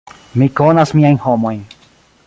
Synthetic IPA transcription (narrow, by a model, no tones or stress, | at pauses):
mikonasmiajnhomojn